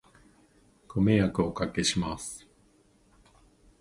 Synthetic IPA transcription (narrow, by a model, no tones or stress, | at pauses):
komejakɯokake̞ɕimasɨ̥